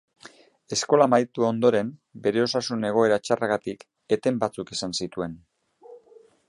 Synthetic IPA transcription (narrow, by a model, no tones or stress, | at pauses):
e̞sko̞lamajt̪uo̞nd̪o̞ɾe̞mbe̞ɾe̞o̞sasune̞ɣ̞o̞e̞ɾat͡ʃaraɣat̪ik | e̞t̪e̞mbat͡sukesansit̪ue̞n